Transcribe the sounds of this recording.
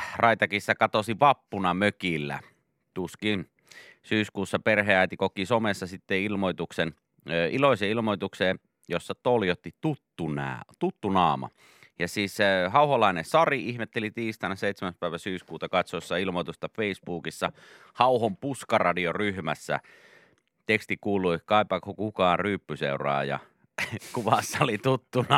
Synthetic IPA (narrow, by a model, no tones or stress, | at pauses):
rɑit̪ɑkisːɑkɑt̪osiʋɑpːunɑmøkilːæ̰ | t̪uskin | syːskuːsːɑperɦeæˑit̪ikokisomesːɑsit̪ːeilmoit̪uksen | iloˑiseilmoit̪ukseː | josːɑt̪oljot̪ːit̪ut̪ːunæ̰t̪ut̪ːunɑːmɑ̰ | jɑsiːssehɑuholɑˑinesɑriihmet̪ːelit̪iːst̪ɑnɑseit̪semæspæˑiʋæsyːskuːt̪ɑkɑt̪sosːɑilmoit̪ust̪ɑfeˑisbuːkisːɑ | hɑuhompuskɑrɑdioryhmæsːæ̰ | t̪ekst̪ikuːlˑuikɑˑipːɑkʰːokukɑːryːpːysḛurɑ̰ːjɑ̰ | kuʋɑsːɑolit̪ut̪ːunɑ